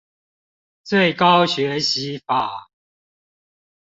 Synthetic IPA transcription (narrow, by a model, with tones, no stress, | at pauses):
t͡swe˥˨ɪkɑ˦ʊɕɥɛ˨˦ɕi˨˦fa˨˩